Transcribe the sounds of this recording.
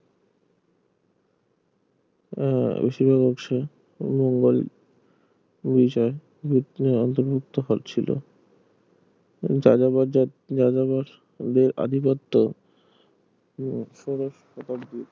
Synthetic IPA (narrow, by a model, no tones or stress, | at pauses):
bḛʃibʱakɔkʃe | moŋɡol | bit͡ɕɔe | biɔnt̪oɾbʱuk̚t̪oɦo̰lt͡ɕʰilo̰ | d͡ʑaaa | d͡ʑad͡ʑabaɾ | d̪eɾʔa̰d̪ʱipot̪ːo | ʃɔɾoʃhɔt̪abd̪iɾ